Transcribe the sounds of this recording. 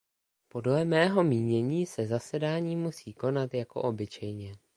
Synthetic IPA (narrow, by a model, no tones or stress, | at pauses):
po̞dlɛmɛːɦo̞miːɲɛɲiːsɛzasɛdaːɲiːmusiːko̞nat̪jako̞̰ʔobɪt͡ʃɛjɲɛ